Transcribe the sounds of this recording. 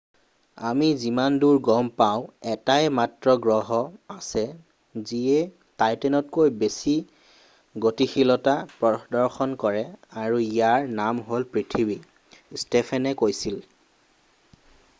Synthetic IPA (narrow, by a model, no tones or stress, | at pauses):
a̰mizimanduɹɡɔmpaʊ̃ɛtajmatɹɔɡɹɔɦɔasɛ | ziɛ | tajtɛnɔt̚kojbesi | ɡotixilɔtapɹɔdɔɹxɔnkɔɹɛaɹuijaɹnamɦolpɹitʰibi | stɛpʰɛnɛkojsil